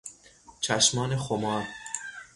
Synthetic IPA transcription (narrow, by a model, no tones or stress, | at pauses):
t͡ʃʰæʃmɒːnexomɒːɾ